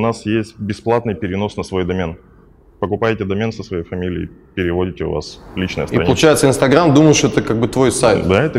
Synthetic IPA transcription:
ʊnasjesʲtʲbʲɪsplˠat̪nɨjpʲɪɾʲɪno̞snəsvo̞jd̪ɐmʲen | pəkʊpajtʲɪd̪ɐmʲensəsvɐjejfɐmʲilʲɪɪ̰pʲɪɾʲɪvo̞dʲɪtʲɪʊ̰va̰slʲit͡ɕnəjə̰stiɾɐ̰əlˠʊt͡ɕajɪt̪səɪnst̪ɐɡɾamd̪uməjʊʂt̪oɛt̪əkaɡ̚bɨt̪vo̞jsajt̪d̪aɛt̪ə

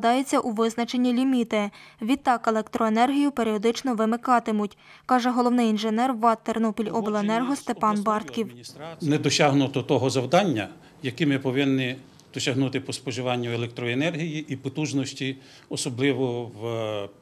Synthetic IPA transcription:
d̪ɑjet͡sʲːɐʔuʋɪznɐt͡ʃe̞nʲːilʲimʲit̪eʋʲit̪ːɑkelˠekt̪ɾɔenɛrɦʲijʊpe̞ɾʲiɔd̪ɪt͡ʃnɔʋɪmɪkɑt̪ɪmʊtʲ | kɑʒɛɦɔlˠɔwnɪjinʒenɛrʋɑt̪ːernɔpʲilʲɔbelˠɐenɛrɦɔst̪epɑnbɑrt̪kʲiwʲinɛd̪ɔsʲɑɦnʊt̪ɔt̪ɔɦɔzɐwd̪ɑnʲːɐ | jɐkimɪpɔʋɪnːɪ | d̪̥ɔsʲɐɦnut̪ɪpɔspɔʒɪʋɑnʲːɐelˠek̚t̪ɾɔenɛrɦʲijiʔipɔt̪uʒnɔsʲtʲi | ɔsɔblˠɪʋɔʋ

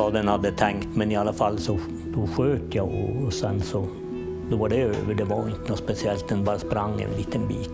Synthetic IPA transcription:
ɑːd̪ɛnhad̪ːət̪ʰɛŋkt̪mɛnɪɑlːəfɑlːsɔ | d̪̥ɔɧøːt̪jɑʔɔ̰ːsɛnsɔ | d̪ɔʋɑɖɛøːʋəɖɛʋɑɾɪnt̪əɔspɛsɪɛlt̪̚d̪ɛnbɑːɾəspɾaŋːɛ̰nliːt̪ənbḭːt̪

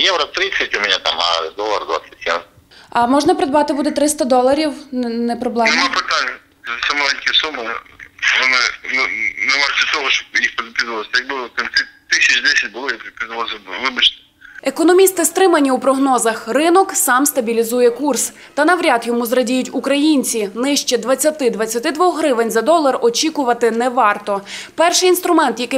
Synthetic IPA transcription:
jɛʋɾɐt̪ɾɪsʲɐtʲʊmɛnʲɛt̪a̰mɐ̰d̪ɔlˠɐrd̪ʋa̰sʲɐ̥tʲjɛ̰ | ɐmɔʒnɐpɾɪd̪bɑt̪ɪbud̪ɛt̪ɾɪst̪ɐd̪ɔlˠɐɾʲiwnnɛpɾɔblˠɛmpɐt̪a | ɐsɛmɔlˠɛnʲkʲɪsumɪʋɔnɪnnɛmɑɛt̪ɔɦɔʃt͡ʃɔ̥pjixpɐzɪt̪ʲɪzlˠɐsʲjɐɡ̚bɪkɐnʲt̪ʲit̪ɪsʲɐt͡ʃd̪ɛsʲɐt̚ʲbʊlˠɪjɐk̪k̪ɐzʋasʋɪbʊt͡ʃnɛ | ekɔnɔmʲist̪ɪst̪ɾɪmɐnʲiupɾɔɦnɔzɐxrɪnɔksɑmst̪ɐbʲilʲizujɛkurs | t̪ɐnɐʋɾʲɑt̪jɔmuzrɐdʲijʊtʲukɾɐjinʲt͡sʲinɪʃt͡ʃɛd̪ʋɐt͡sʲːɐt̪ɪd̪ʋɐt͡sʲːɐt̪ɪd̪ʋɔxɦɾɪʋɪnʲzɐd̪ɔlˠɐrɔt͡ʃʲikʊʋɐt̪ɪnɛʋɑrt̪ɔpɛrʃɪjinst̪ɾʊmɛnt̪jɐkɪ

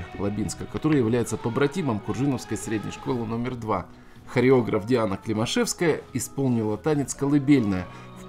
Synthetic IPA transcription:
lˠɐbʲinskəkɐt̪o̞ɾɨjəjɪvlʲæjɪt̪səp̪əbɾɐtʲiməmkʊrʐɨnəfskəjsɾʲedʲnʲə̰jʂko̞lˠɨno̞mʲɪrd̪va | xəɾʲɪo̞ɡɾəfdʲɪanəklʲɪmɐʂɛfskəjəɪspo̞lˠnʲɪlˠət̪anʲɪt̪skəlˠɨbʲelʲnəjə | f

